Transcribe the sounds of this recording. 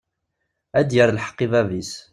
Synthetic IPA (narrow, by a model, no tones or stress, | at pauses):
æd̪jəɾlħḁqːivævis